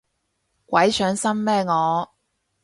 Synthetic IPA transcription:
kwɐ˨˥jsœː˨˥ŋsɐ˥mːɛː˥ŋɔː˨˧

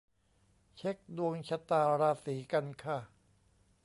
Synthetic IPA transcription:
t͡ɕʰe˦˥k̚du˧əŋt͡ɕʰa˧t̪aː˧ɾaː˧siː˩˦ka˧nkʰa˥˩

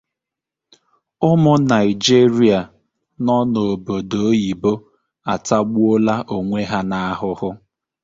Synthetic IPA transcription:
ʊ˦mʊ˦na˨ɪ˨d͡ʒi˦ɾi˦a˨ | nɔ˦no˨o˨bo˨do˨o˦ji˨bo˦ | a˨ta˦ɡ͡bu˦o˦la˦ʔo˨ŋʷe˦ɦa˦na˦a˦ɦʊ˦hʊ˦

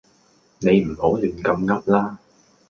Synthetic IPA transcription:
ne˨˧jm̩˨˩ho˧˨˦li˨˩ŋkə˧mŋa˦˥p̚laː˧˥

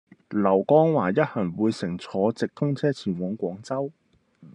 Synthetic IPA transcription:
lɐ˨˩wkɔː˥ŋwaː˨˩jɐ˥t̚hɐ˨˩ŋwuː˨˧jsɪ˨˩ŋt͡sʰɔː˨˥t͡sɪ˨k̚t̪ʰʊ˥ŋt͡sʰɛː˥t͡sʰiː˨˩nwɔː˨˥ŋkʷɔː˨˥ŋt͡sɐ˥w

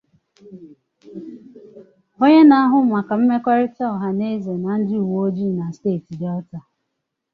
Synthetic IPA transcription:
o˦ɲe˦na˦a˦ɦʊ˦ma˨ka˨m̩˦me˦kʷa˦ɾɪ˦ta˦˨ɦa˨ne˦ze˨na˨n̩˦dɪ˦u˨wo˦o˦d͡ʒi˦˨na˨steː˦˨ti˨da˦ɔ˦ta˨

